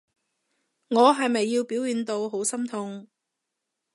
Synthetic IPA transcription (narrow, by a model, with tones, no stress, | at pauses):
ŋɔː˨˧ɦɐ˨jmɐ˨jːiː˧wpiː˨˥wjiː˨nt̪o˧wɦo˨˥wsɐ˥mt̪ʰʊ˨˧ŋ